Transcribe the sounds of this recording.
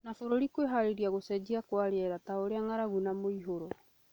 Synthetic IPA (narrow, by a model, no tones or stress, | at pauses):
nafoɾoɾikweɦaɾeɾiaɣosɛd͡ʑiakwaɾɛɾataoɾeaŋaɾaɣunamoiɦoɾo